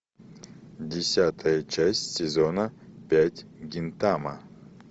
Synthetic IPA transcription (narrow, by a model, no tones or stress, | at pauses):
dʲɪsʲat̪ʰəjət͡ʃæsʲtʲsʲezonəpʲætʲɡʲɪnt̪amə